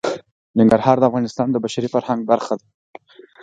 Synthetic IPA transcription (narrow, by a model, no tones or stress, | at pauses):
nɪŋɡaɾhɑɾd̪əafɣɑnɪst̪ɑnd̪əbaʃaɾifaɾhaŋɡ̚baɾxad̪a